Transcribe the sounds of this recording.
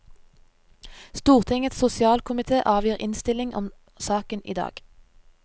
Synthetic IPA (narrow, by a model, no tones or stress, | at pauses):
st̪uːʁt̪ʰɪŋət̪sʊsɪɑːlkʰʊmɪt̪ʰeːʔɑːʋjiːʁɪnst̪ɪlɪŋʔɔ̰m | sɑːkənḭːd̪ɑ̰ːɡ̥